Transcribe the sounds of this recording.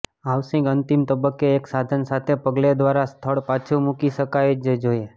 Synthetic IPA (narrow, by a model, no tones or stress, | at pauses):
aʋsĩɡənt̪imt̪əbəkːeːksad̪ʱənsat̪ʰepəɡled̪ʋaɾast̪ʰəɭpat͡ʃʰumukiʃəkajd͡ʒd͡ʒoje